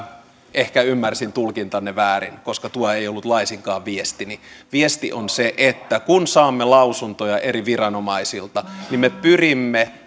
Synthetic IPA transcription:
ehkæymːærsint̪ulkint̪ɑnːeʋæːrinkoskɑt̪uɑejolːut̪lɑisiŋkɑːʋʋiest̪iniʋiest̪iʔonseʔet̪ːækunsɑːmːelɑusunt̪ojɑʔeɾiʋirɑnomɑisilt̪ɑnimepyrimːe

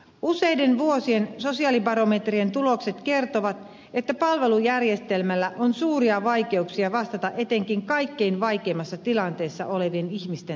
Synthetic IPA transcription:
ʔuse̞jde̞nʋuosie̞nso̞siɑlibɑɾo̞met̪rie̞nt̪ulo̞kse̞t̪ke̞rt̪oʋɑt̪ | et̪ːæpɑlʋe̞lujærje̞st̪e̞lmælːæʔonsuːriɑʋɑike̞uksiɑʋɑst̪ɑt̪ɑʔe̞t̪e̞ŋkiŋkɑjkːe̞inʋɑjk̟eːmːɑsːɑt̪ilɑnt̪eːsːɑ̰ʔole̞ʋieniçmist̪e

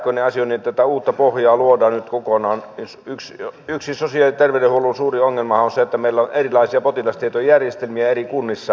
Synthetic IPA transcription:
kːoineɑsioniet̪ːæt̪æuːt̪ːɑpohjɑːluodɑːnnyt̪kokonɑːnsyksyksisosiɑlit̪erʋedehuolusuːrioŋːelmɑhɑonseet̪ːæmeilːæonʔerilɑisiɑpot̪ilɑst̪iet̪ojjærjest̪elmiæerikunːisːɑ

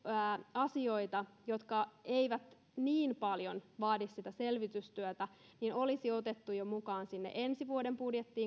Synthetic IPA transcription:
ɑsio̞it̪ɑjo̞t̪kɑeiʋæt̪ | niːnpɑljonʋɑːdissit̪æselʋit̪yst̪yøt̪æ | nino̞lisiot̪et̪ːujomukɑːnsinːḛʔensiʋuodempudjet̪ːiː

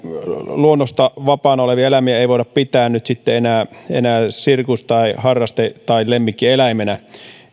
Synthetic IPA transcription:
luonːost̪ɑʋɑpɑːˑnɑoleʋiɑelæmiæeiʋoˑiɑppit̪æːnnyt̪sit̪ːeenæːḛnæːsirkust̪ɑihɑrːɑst̪et̪ɑilemːikːielæimenæ

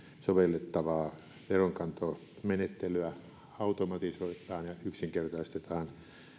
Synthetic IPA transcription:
soʋelːet̪ːɑʋɑː | ʋeroŋkɑnt̪o | menet̪ːeløæ | ɑut̪omɑt̪isoit̪ːˑɑːnjɑyksiŋkert̪ɑist̪et̪ɑːn

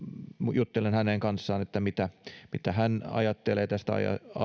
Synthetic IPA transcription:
jut̪ːelenhæneːŋkɑnsːɑːnet̪ːæmit̪æmit̪æhænɑ̰jɑt̪ːeleːt̪æst̪æɑ̰jɑ̰ɑ

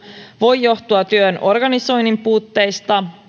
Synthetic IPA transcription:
ʋo̞jːo̞ht̪uɑt̪yøno̞rɡɑniso̞jnimpuːt̪ːe̞jst̪ɑ

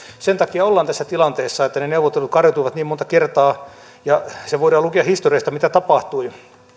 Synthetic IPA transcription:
sent̪ɑkiɑolːɑnt̪æsːæt̪ilɑnt̪eːsːɑet̪ːæneneuʋot̪ːelut̪̚kɑrjot̪uiʋɑt̪niːmont̪ɑkert̪ɑː | jɑseʋoidɑːlukeɑhist̪oriɑst̪ɑmit̪æt̪ɑpɑht̪ui

